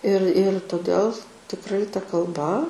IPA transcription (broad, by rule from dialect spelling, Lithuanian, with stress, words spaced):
ɪr ɪr toːˈdʲɛlˠ tʲɪkˈrɐɪ tɐ kɐlˠˈbɐ